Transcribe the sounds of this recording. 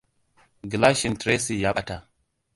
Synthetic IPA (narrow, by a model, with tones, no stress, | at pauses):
ɡi˨la˦ʃi˨ntɾe˦si˨ja˦ɓa˨ta˨